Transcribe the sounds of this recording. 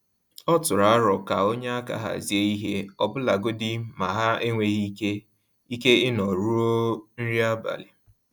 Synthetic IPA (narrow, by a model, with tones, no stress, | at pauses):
ɔ˦tʊ˨ɾa˨a˦ɾɔ˨ka˨o˦ɲa˦a˦ka̰˨ɦa̰˨zi˨e˦i˦ɦe˦ɔ˦˨bʊ˦la˨ɡo˦dɪ˦ma˨ɦa˦e˦ŋʷe˦ɣi˦ke˦ | i˦ke˦ɪ˦nɔ˨ɾu˦ɾo˦n̩˦ɾi˦a˦ba̰˨lɪ˨